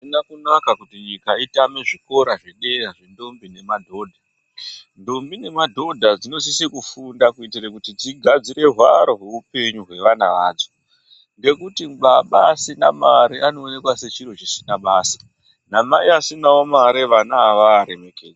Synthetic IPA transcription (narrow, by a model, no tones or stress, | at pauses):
inakunakakutiɲikaitame̞ʐiko̞ɾaʐeɗe̞ɾaʐendo̞mbine̞madʱo̞ːdʱa | ndombine̞madʱo̞dʱad͡zino̞sisikufundakuitirakutid͡ziɡʱad͡ziɾe̞ɦwaɾoɦeupe̞ɲuɦwe̞ʋana̰ʋaːd͡zo̥ | ŋɡe̞kutimɓaɓasina̰maɾiʔano̞ːne̞kwase̞t͡ʃiɾot͡ʃisinaɓaːsḁ | namaiasinaomaɾeʋanaːʋaːɾe̞me̞keːd͡za